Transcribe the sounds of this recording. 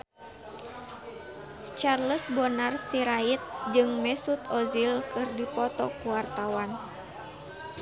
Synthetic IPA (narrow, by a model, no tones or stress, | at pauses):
t͡ʃarləsbɔnarsiɾait̪̚d͡ʒɨŋmɛsut̪ɔzilkɨrdipɔt̪ɔkuwart̪awan